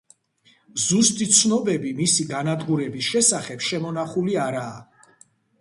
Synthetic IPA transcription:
zust̪ʼit̪sʰnɔbɛbimisiɡanad̪ɡuɾɛbisʃɛsaχɛbʃɛmɔnaχuliaɾaː

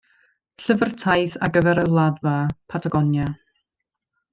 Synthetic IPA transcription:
ɬəvərtʰajθa̰ɡəvɛɾəlˠadvapʰatʰaɡɔnja

